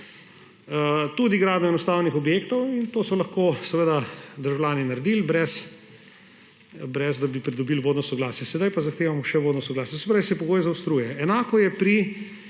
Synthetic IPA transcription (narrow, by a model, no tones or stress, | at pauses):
ət̪ud̪iɡɾaːd̪nɔɛnɔst̪aːwnixɔbjeːkt̪ɔwint̪oːsɔlɐxkosɛʋed̪ad̪əɾʒawlʲaːninɐɾɛd̪ilbɾɛs | bɾɛzd̪abipɾid̪ɔbilʋoːd̪nɔsɔɡlaːsjɛsɛd̪ajpazɐxt̪eːʋamɔʃɛʋoːd̪nɔsɔɡlaːsjɔsɛpɾaːisɛjɛpɔɡoːjzawst̪ɾuːjɛɛnaːkɔjɛpɾi